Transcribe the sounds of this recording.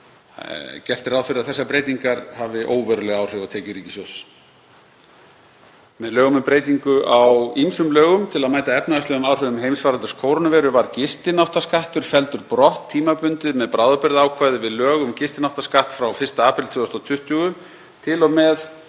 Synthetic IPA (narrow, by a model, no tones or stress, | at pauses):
cɛr̥t̪ɪɾaːðfɪɾɪaðθɛsːapɾeːjt̪iŋkaɾhavɪʔoːwvœɾʏlɛɣawr̥ɛvat̪ʰeːjcʏɾiːcɪ̥sɔs | mɛðlœːɣʏmʏmpɾeːjt̪iŋkʏʔawimsʏmlœːɣʏmt̪ʰɪlaðmaːjt̪aɛpnaðaslɛɣʏmaːwr̥ʏɣʏmɦejmsvaːɾant̪ʏ̥skʰoːwɾɔnʏvɛːɾʏvaɾcɪst̪ɪnawht̪askaht̪ʏɾ̥fɛlt̪ʏɾpɾɔht̪ʰːiːmapʏnt̪ɪðmɛðpɾaːwðʏpɪɾðaaːwkʰvaːjðɪvɪðlœːɣʏmcɪst̪ɪnaw̥t̪askaht̪fɾawfɪrst̪aaːpɪlt̪ʰvʏːɔst̪at̪ʰʏht̪ʰjuːɣʏ | t̪ʰɪlɔmɛð